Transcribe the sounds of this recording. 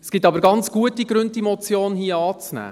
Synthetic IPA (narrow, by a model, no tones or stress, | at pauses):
sɡ̥ɪtɑbəɾɡɑnt͡sɡ̥uətiɡɾʉntimɔt͡sjoːnhiəɑːt͡snæ̰ː